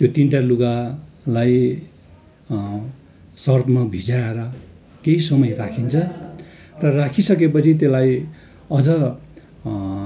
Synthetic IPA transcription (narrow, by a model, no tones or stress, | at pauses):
t̪jot̪inʈaluɡalaj | sʌrbmabʱid͡zaeɾʌ | keisʌmʌjrakʰint͡sʰʌ | rʌrakʰisʌkep̬ʌt͡sʰit̪elaj | ʌd͡zʌ